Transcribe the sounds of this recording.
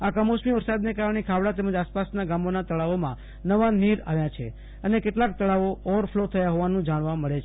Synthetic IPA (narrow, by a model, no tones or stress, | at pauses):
akəmosmiʋəɾsad̪nekaɾəɳ̃ekʰaʋɽat̪ɛməd͡ʒaspasnaɡamonat̪əɭaʋomã | nəʋaniɾa̰ʋjat͡ʃʰḛ | ənekeʈlak̚t̪əɭaʋoɔʋəɾfʰlot̪ʰəjaɦoʋanũd͡ʒaɽ̃ʋãməɭet͡ʃʰe